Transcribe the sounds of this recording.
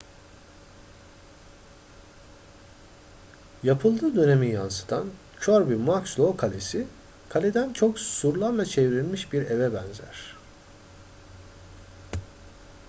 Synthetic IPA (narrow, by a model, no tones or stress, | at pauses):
japʰɯlˠd̪ɯːd̪ø̞ne̞mijansɯ̥t̪ʰan | t͡ʃʰoɾbimakslˠokʰalʲesi | kʰalʲed̪ænt͡ʃʰo̞ksuɾlˠaɾlˠat͡ʃʰevɾilʲmiʃbiɾevɛbænzæ̰ɾ̝̥